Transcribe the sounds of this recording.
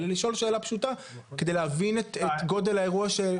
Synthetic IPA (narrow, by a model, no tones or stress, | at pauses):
leliʃo̞lʃe̞ːlapʃuta | ked̪ejleɦavinetetɡo̞d̪e̞lhae̞ʁuaʃe